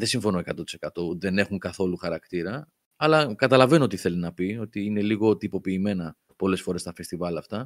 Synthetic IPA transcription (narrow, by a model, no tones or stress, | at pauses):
ðesiɱfo̞noekɐt̪o̞t̪i̥se̞̥kɐt̪o̞ðe̞ne̞xuŋkɐθo̞luxɐɾɐkt̪iɾɐ | ɐlɐkɐt̪ɐlɐve̞noo̞t̪iθe̞linɐpio̞t̪iine̞liɣo̞t̪ipo̞piːme̞nɐ | po̞le̞sfo̞ɾe̞st̪ɐfe̞st̪ivɐlɐft̪ɐ